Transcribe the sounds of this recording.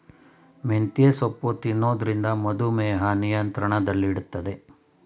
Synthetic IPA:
ment̪ijesopːut̪inːoːd̪ɐɾind̪ɐmɐd̪umɛːɦɐnijɐnt̪ɾɐɳɐd̪ɐlːiːɽut̪ːɐd̪e̞

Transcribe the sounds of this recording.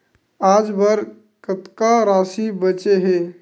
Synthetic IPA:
aːd͡ʒbaɾ | kət̪kaɾaːsibət͡ʃeɦeː

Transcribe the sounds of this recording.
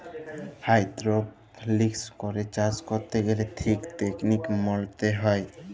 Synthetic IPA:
hajd̪ɾop | likskɔɾet͡ʃad͡ʒkoɾt̪eɡeletʰikt̪eknikmɔlt̪eɦɔe

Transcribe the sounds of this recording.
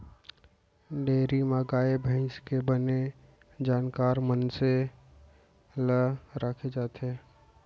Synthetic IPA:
ɖeːɾimaːɡaːebʱə̃ɪskebəne | d͡ʒaːnkaːɾmənse | ləɾaːkʰed͡ʒaːt̪ɦɛː

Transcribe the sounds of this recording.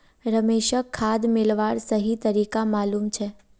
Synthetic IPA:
ɾəmeʃəkʰːad̪mɪlʋaɽsəɦit̪əɾikamalumt͡ʃʰe

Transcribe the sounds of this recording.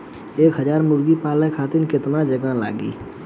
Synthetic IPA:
eːkɦəd͡ʒaːɾmʊɾɡipaːlẽkʰaːt̪ɪnkɪt̪nad͡ʒəɡãla̰ːɡḭː

